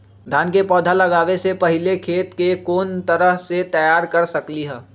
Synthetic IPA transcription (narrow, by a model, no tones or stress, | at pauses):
d̪ʱaːnkepɔːd̪ʱalɐɡaːʋesepɐɦɪlekʰeːt̪kekoːnt̪ɐɾəɦset̪ɐjaːɾkɐɾsɐkliɦɛː